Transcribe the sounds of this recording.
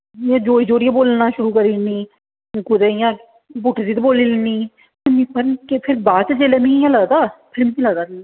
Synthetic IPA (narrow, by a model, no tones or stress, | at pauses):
ãːd͡ʒoːiːd͡ʒoːɽɪjãːboːlnãːʃʊɾuːkəɾiːnĩː | kʊd̪eːjãː | buːʈʰd̪iːt̪eboːliːlːniː | pmĩːpəɾkepʰɪɾbaːt͡ʃːd͡ʒeːleːmĩːjãːləːd̪aːpʰɪlmkiləːd̪aː